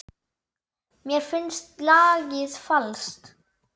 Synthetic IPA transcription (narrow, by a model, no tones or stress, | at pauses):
mɛːɾfʏnst̪lɑːɡɪsfalst̪